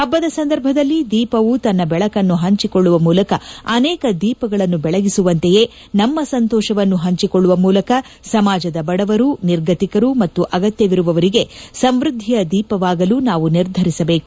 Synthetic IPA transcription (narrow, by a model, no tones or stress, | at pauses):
ɐbːɐd̪ɐsɐnd̪ɐɾbʱɐd̪ɐlːid̪iːpɐʋut̪ɐnːɐbɛɭɐkɐnːuɦɐɲt͡ʃiko̞ɭːuʋɐmuːlɐkɐɐnɛːkɐd̪iːpɐɡɐɭɐnːubɛɭɐɡisuʋɐnt̪eje̞ | nɐmːɐsɐnt̪ɔːʃɐʋɐnːuɦɐɲt͡ʃikoɭːuʋɐmuːlɐkɐ | sɐmaːd͡ʒɐd̪ɐbɐɽɐʋɐɾuniɾɡɐt̪ikɐɾumɐt̪ːuʔɐɡɐt̪jɐʋiɾuʋɐʋɐɾiɡe̞sɐmʋɾud̪ʱːijɐd̪iːpɐʋaːɡɐluːnaːʋuniɾd̪ʱɐɾisɐbe̞ːku